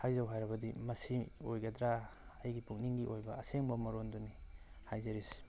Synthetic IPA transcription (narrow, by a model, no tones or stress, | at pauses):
hajzawɦajɾɐbɐdimɐsiojɡɐd̪ɾaːjɡipuk̚niŋɡiʔojbɐɐseŋbɐmɐɾondunihajzɐɾis